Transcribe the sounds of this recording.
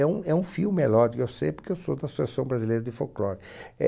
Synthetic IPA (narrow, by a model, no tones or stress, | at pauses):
ɛũɛũfiwmelɔd̪ikʊewsḛ̃jpɾʊɾkewsod̪ɐsosasɐ̃w̃bɾazilejɾɐd̪ɪfowklɔɾ | ɛ̰